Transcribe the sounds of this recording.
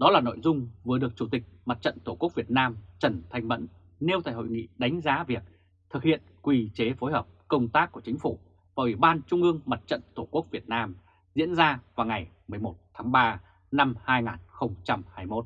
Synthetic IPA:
ɗɔ˨˦laː˨˩no̰˧˨jzʊ˧ŋ͡mvɨ˨˩əɗɨ˨˩ək̚t͡ɕu˧˩t̪ï˨˩k̟̚ma˨˩t̚t͡ɕə̰˧˨nt̪o˧˩ku˦˥ək̚vi˨˩ət̚naː˧mt͡ɕə˧˩nt̪ʰa˧jŋvə̰˧˥nː | e˧wt̪ʰaː˧˨˩jho̰˧˨jŋḭ˧˥ɗa˨˦jŋ̟zaː˨˦vi˨˩ək̚ | t̪ʰɨ˨˩k̚hḭ˧˨ənkwi˨˩t͡ɕe˨˦fo˨˦jɦəː˨˩p̚kə˧wŋ͡mt̪aː˦˥kːu˧˩ət͡ɕï˨˦ŋ̟fu˧˩ | vaː˨˩ʔi˧˩ɓaː˧nt͡ɕʊ˧ŋ͡mʔɨ˧əŋma˨˩t̚t͡ɕə̰˧˨nt̪ʰo˧˩ku˦˥ək̚vi˨˩ət̚naː˧m | zḭ˧˥ənzaː˧vaː˨˩wŋa˨˩jmɨ˨˩əjmo˨˩t̚t̪ʰːaː˨˦ŋɓaː˧ | na˧mhaː˧jŋaː˨˩nxə˧wŋ͡mt͡ɕa˧mhaː˧jmo˦˥t̚

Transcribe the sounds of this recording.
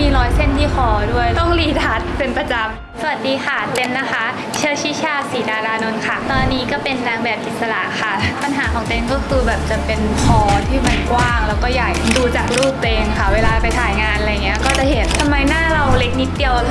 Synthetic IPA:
miː˧ɾɔː˨˧˥jse˥˩nt̪ʰiː˥˩xʰɔː˧˦du˥˩əjt̪ɔ˥˩ŋliː˧˩t̪ʰa˨˦t̪̚pe˧npɾa˧t͡ɕa˧m | sa˧a˨˩t̪̚diː˧xa˥˩t̪e˧mna˦˥xʰa˦˥ | t͡ɕʰɤː˥˩t͡ɕʰiː˥˩t͡ɕʰaː˥˩t̚siː˩˦daː˧ɾaː˧no˧nkʰa˥˩t̪ɔː˧nːiː˦˥kɔː˥˩pe˧nːaː˧ŋbɛː˨˩p̪̚ʔi˨˩t̪̚sa˧la̰˨˩ʔxʰa˥˩pa˧nɦaː˩˦kʰɔː˩˦ŋt̪e˧nkɔː˥˩kʰɯː˧bɛː˨˩p̚t͡ɕa˨˩pe˧nkʰɔː˧t̪ʰiː˥˩ma˧˥nkwaː˥˩ŋlɛː˦˥wkɔː˥˩jaː˨˩k̚duː˧t͡ɕaː˨˩k̚ɾuː˥˩p̚t̪eː˧ŋkʰa˦˥˩weː˧laː˧pa˧jt̪ʰaː˩˦jŋaː˧nʔa˧ja˨˩ŋːi˦˥ɐkɔː˥˩t͡ɕa˨˩ʔɦe˩˦t̪̚t̪ʰːa˧mːa˧jnaː˥˩ɾa˧wle˦˥k̚ni˦˥t̪̚ːi˧əw

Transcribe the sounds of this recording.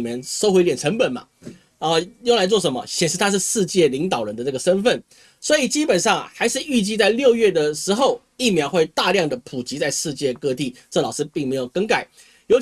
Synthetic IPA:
mjɛ˧˥nʂo˥ʊxwe˧˥ɪljɛ˨˩nʈ͡ʂʰə˧˥ŋpə˨˩nmɐ̰˩ | ə˥˧jo˥˩ŋla˧˥ɪt͡swɔ˥˩ʂə˧˦nmə̰˧ɕjɛ˨˩nʂɻ̩˥˧t̪ʰa˥ʂɻ̩˥˧ʂɻ̩˥˧t͡ɕjɛ˥˩li˧˥ŋt̪ɑ˨˩ʊɻə˧˦nd̪ə˧na˥˩ɡə˩ʂə˥nfə˥˩n | swɔ˧˥i˨˩t͡ɕi˥pə˨˩nʂɑ˥˩ŋ˩xa˧˥ɪʂɻ̩˥˧y˥˧t͡ɕi˥˧t͡sa˥˧ɪljo˥˧ʊɥɛ˥˩d̪ə˩ʂɻ̩˧˥xo˥˧ʊ | i˥˩mjɑ˧˥ʊxwe˥˧ɪt̪a˥˧ljɑ˥˩ŋd̪ə˩pʰu˨˩t͡ɕi˧˥t͡sa˥˧ɪʂɻ̩˥˧t͡ɕjɛ˥˧kɤ˥˧t̪i˥˩ʈ͡ʂɤ˥˩lɑ˨˩ʊʂɻ̩˥pi˥˩ŋme˧˥ɪjo˨˩ʊkə˥ŋka˥˩ɪ | jo˧˥ʊ

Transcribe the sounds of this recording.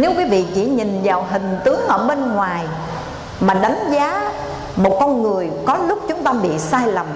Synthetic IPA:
ne˨˦wkwi˨˦vḭ˧˨t͡ɕi˧˩ɲi˨˩ŋvaː˨˩wɦï˨˩ŋ̟t̪ɨ˨˦əŋʔəː˧˩ɓe˧nŋwaː˨˩j | maː˨˩ɗa˨˦jŋ̟zaː˨˦ | mo˨˩t̚kɔ˧nŋɨ˨˩əjkɔ˨˦lʊ˦˥k͡p̚t͡ɕʊ˨˦ŋ͡mt̪aː˧ɓḭ˧˨saː˧jla˨˩m

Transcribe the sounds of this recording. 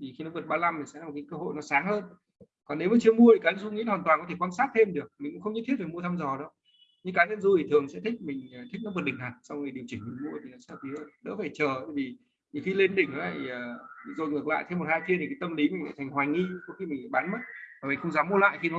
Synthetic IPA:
t̪ʰi˨˩xi˧nɔ˨˦və˨˩t̚ɓaː˧la˧mt̪i˨˩sɛ̰˧˥aː˨˩m˨˩kːaː˨˦kəː˧ɦo̰˧˨jnɔ˨˦saː˨˦ŋhəː˧n | kɔ˨˩nːe˨˦wmaː˨˩t͡ɕi˧əmu˧ət̪ʰi˨˩kaː˨˦nə˧˨zu˧ŋḭ˧˥˧haː˨˩t̪waː˨˩nkɔ˨˦t̪ʰe˧˩kwaː˧nsaː˦˥t̚t̪ʰe˧mɗɨ˨˩ək̚m˨˩ŋ̟kʊ̰˧˥xə˧wŋ͡mɲə˦˥t̪ʰi˦˥t̚faː˨˩mu˧ət̪ʰaː˧mzɔ˨˩ɗɔ˨˦ | ɲɨ˧kaː˨˦nə˧˨nzu˧t̪ʰi˨t̪ʰɨ˨˩əŋsɛ̰˧˥t̪ʰï˦˥k̟̚mï˨˩ŋ̟ː˨˩t̪ʰi˦˥k̚nɔ˨˦və˨˩t̚ɗï˧˩ŋ̟ha˨˩t̚sa˧wŋ͡mŋə˨˩jɗi˨˩əwt͡ɕï˧˩ŋ̟mi˨˩ŋmu˧ət̪ʰi˨˩nɔ˨˦sɛ̰˧˥˧i˨˦ə˨˩ɗə̰ː˧˥faː˧˩jt͡ɕəː˨˩t̪ʰaː˧˩jvi˨˩ | ɲi˨˩xi˧le˧nɗï˧˩ŋ̟ha˨˦la̰ː˧˨˩zo˨˩jŋɨ˨˩k̚la̰ː˧˨jt̪ʰe˧mːo˨˩t̚haː˧jfi˧əi˨˩kaː˨˦t̪ə˧mli˨˦mi˨˩ŋ̟la̰˧˨˩t̪ʰŋ̟hwaː˨˩jŋi˧ko˨˦xi˧mï˨˩ŋ̟˨˩ɓaː˨˦nmə˦˥t̚aː˨˩mï˨˩ŋ̟xə˧ŋ͡mzaː˨˦mːu˧əla̰ː˧˨jxi˧nɔ˨˦

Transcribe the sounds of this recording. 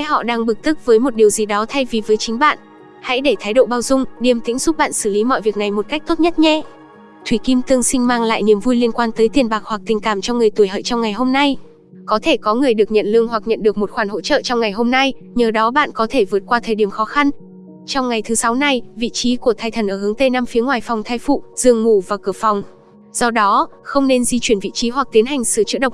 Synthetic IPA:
ɦɔ̰˧˨ɗaː˧ŋɓɨ˨˩k̚t̪ɨ˦˥k̚vəː˨˦jmo˨˩t̚ɗi˨˩əwzi˨˩ɗɔ˨˦t̪ʰa˧jvi˨˩vəː˨˦jt͡ɕï˨˦ŋ̟ɓa̰ː˧˨n | ha̰˧˥jɗe˧˩t̪ʰaː˨˦jɗo̰˧˨ɓaː˧wzʊ˧ŋ͡mɗi˨˩əmt̪ḭ˧˥ŋzʊ˦˥p̚ɓa̰ː˧˨nsɨ˧˩li˨˦mɔ̰˧˨jvi˨˩ək̚na˨˩jmo˨˩t̚ka˦˥jk̚t̪o˦˥t̚ɲə˦˥t̚ɲɛ˧ | t̪ʰwi˧˩ki˧mt̪ɨ˧əŋsï˧ŋ̟maː˧ŋla̰ː˧˨jni˨˩əmvu˧jli˧ənkwaː˧nt̪əː˨˦jt̪i˨˩ənɓaː˨˩k̚hwa˨˩k̚t̪ï˨˩ŋ̟kaː˧˩mt͡ɕɔ˧ŋɨ˨˩əjt̪u˧˩əjɦəː˧˨t͡ɕɔ˧wŋ͡mŋa˨˩jɦo˧mna˧j | kɔ˨˦t̪ʰe˧˩kɔ˨˦ŋɨ˨˩əjɗɨ˨˩ək̚ɲə̰˧˨nlɨ˧əŋɦwa˨˩k̚ɲə̰˧˨nɗɨ˨˩ək̚mo˨˩t̚xwaː˧˩nho̰˧˥t͡ɕə̰ː˧˨t͡ɕɔ˧wŋ͡mŋa˨˩jɦo˧mna˧j | ɲəː˨˩ɗɔ˨˦ɓa̰ː˧˨nkɔ˨˦t̪ʰe˧˩vɨ˨˩ət̚kwaː˧t̪ʰəː˨˩jɗi˧˩əmxɔ˨˦xa˧n | t͡ɕɔ˧wŋ͡mŋa˨˩jt̪ʰɨ˨˦sa˨˦wna˧jvḭ˧˨t͡ɕi˨˦ku˧˩ət̪ʰaː˧˩jt̪ʰə˨˩nʔəː˧˩hɨ˨˦əŋt̪e˧naː˧mfi˨˦əŋwaː˨˩jfɔ˨˩wŋ͡mt̪ʰaː˧jfṵ˧˨z̥ɨ˧˩əŋmu˧˩vaː˨˩kɨ˧˩əfɔ˨˩wŋ͡m | z̥ɔ˧ɗɔ˨˦xə˧wŋ͡mne˧nzi˧t͡ɕwi˧˩ənvḭ˧˨t͡ɕi˨˦ɦwa˨˩k̚t̪i˨˦ənɦa˨˩ŋ̟sɨ̰˧˩t͡ɕɨ̰˧˥ɗə˨˩w̚

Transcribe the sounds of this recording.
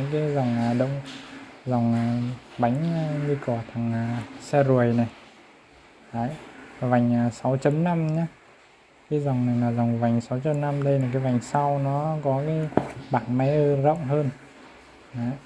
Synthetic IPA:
kaː˨˦za˨˩wŋ͡maː˨˩ɗə̰˧˨wŋ͡mza˨˩wŋ͡maː˨˩ɓa˨˦jŋ̟ː˧ɲɨ˧kɔ˧˩t̪ʰa˨˩ŋa˨˩sɛ˧zu˨˩əjna˨˩j | ɗaː˨˦jva˨˩jŋ̟aː˨˩sa˨˦wt͡ɕə˨˦mna˧mɲa˧˦ | kaː˨˦jza˨˩wŋ͡mna˨˩jlaː˨˩za˨˩wŋ͡mva˨˩jŋ̟sa˨˦wt͡ɕə˨˦mna˧mɗə˧jna˨˩k̬aː˨˦jva˨˩jŋ̟sa˧wnɔ˨˦kɔ˨˦kaː˨˦jɓaː˧˩nma˨˦ə˧zə̰˧˨wŋ͡mɦəː˧n | ʔaː˨˦j

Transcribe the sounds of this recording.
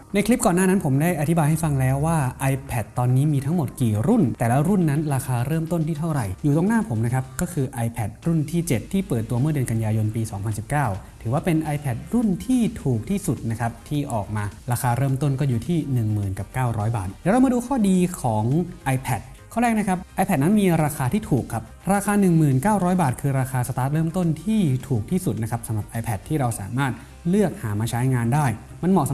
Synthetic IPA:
na˧jkʰli˦˥p̚kɔː˨˩nːaː˥˩na˦˥npʰo˩˦mdaː˥˩jʔa˧˩t̪ʰi˦˥baː˧jha˥˩jfa˧ŋlɛː˦˥wːaː˥˩ʔa˧jpʰɛ˨˩t̪ːɔː˧nːiː˦˥miː˧t̪ʰa˦˥ŋmo˨˩t̪̚kiː˨˩ɾu˥˩nt̪ɛː˨˩la˦˥ɾu˥˩nːa˦˥nɾaː˧xaː˧ɾɤː˥˩mt̪o˥˩nt̪ʰiː˥˩t̪ʰa˥˩wɾa˨˩jjuː˨˩o˧ŋnaː˥˩pʰo˩˦mna˦˥kʰa˦˥p̚kɔː˥˩kʰɯː˧ʔa˧jpʰɛ˨˩t̪̚ɾu˥˩nt̪ʰiː˥˩t͡ɕe˨˩t̪ʰːiː˥˩pɤː˨˩t̪ːu˧ɐmɯ˥˩ɐdɯ˧ənka˧njaː˧jo˧npiː˧sɔː˩˦ŋpʰa˧nsi˨˩p̚kaː˥˩wt̪ʰɯː˩˦waː˥˩pe˧nʔaː˧jpʰɛ˨˩t̪̚ɾu˥˩nt̪ʰiː˥˩t̪ʰuː˨˩k̚t̪ʰiː˥˩su˨˩t̪̚na˦˥kʰa˦˥p̚t̪ʰiː˥˩ʔɔː˨˩k̚maː˧ɾaː˧xʰaː˧ɾɤː˥˩mt̪o˥˩nkɔː˥˩juː˨˩t̪ʰiː˥˩nɯ˨˩ŋmɯː˨˩nka˨˩p̚kaː˥˩wɾɔː˦˥jba̰ː˨˩t̪̚lɛː˨˦wɾa˧wma˧duː˧kʰɔː˥˩diː˧kʰɔː˩˦ŋʔa˧jpʰɛ˨˩t̪̚ | kʰɔː˥˩ɾɛː˥˩k̚na˦˥kʰa˦˥p̚ʔa˧jpʰɛ˨˩t̪̚na˦˥nmiː˧ɾaː˧xaː˧t̪ʰiː˥˩t̪ʰuː˨˩kʰːa˦˥p̚ɾaː˧xʰaː˧nɯ˨˩ŋmɯː˨˩nkaː˥˩wɾɔː˦˥jbaː˨˩t̪̚kʰɯː˧ɾaː˧xʰaː˧sa˧t̪aː˦˥t̪̚ɾɤː˥˩mt̪o˥˩nt̪ʰiː˥˩t̪ʰuː˨˩k̚t̪ʰiː˥˩su˨˩na˦˥kʰa˦˥p̚sa˨˦mɾa˨˩p̚ʔaː˧jpʰɛ˨˩t̪ʰːiː˥˩ɾa˧wsa̰ː˩˦maː˥˩t̪̚ | lɯ˥˩ək̚haː˩˦maː˧t͡ɕʰa˦˥jŋaː˧ndaː˥˩j | ma˧nmɔː˨˩sa˨˦

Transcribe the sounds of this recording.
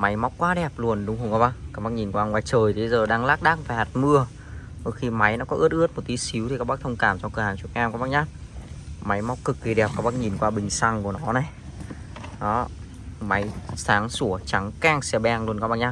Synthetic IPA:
ma˨˦jma˦˥wk͡p̚kwaː˨˦ɗɛ˨˩p̚lu˧˩ənɗʊ˨˦ŋ͡mɦo˧wŋkaː˧˦ɓaː˦˧˥kaː˦˥ɓa˦˥k̚ɲi˨˩nkwaː˧ŋwaː˨˩˦jt͡ɕəː˨˩jt̪i˨˩˧jzəː˨˩ɗaː˧ŋlaː˦˥k̚ɗaː˦˥k̚faː˧˩jha˨˩t̚mɨ˧ə | ho˧˩xi˧ma˨˦jnɔ˨˦kɔ˨˦ʔɨ˦˥ət̚ʔɨ˦˥ət̚mo˨˩t̚t̪i˨˦si˨˦wt̪i˨˩kaː˦˥k̚ɓk̚t̪ʰə˧wŋ͡mkaː˧˩mt͡ɕkəː˧˩haː˧˩nt͡ɕu˨˩əkʔɛː˧mkaː˧˦˥ɓaː˦˥k̚ɲaː˦˥t̚ma˨˦jma˧˦˥wk͡p̚kɨ˨˩k̚ki˨˩ɗɛ˨˩p̚kaː˦˥ɓaː˦˥k̚ɲi˨˩nkwaː˧ɓï˨˩ŋ̟sa˧ŋku˧˩ənɔ˨˦na˨˩j | ɗɔ˨˦ | ma˨˦jsaː˨˦ŋsu˧˩ət͡ɕa˨˦ŋkaː˧ŋsɛ˧˩ɓɛː˧ŋlənkːɓa˦˥k̚ɲaː˦˥

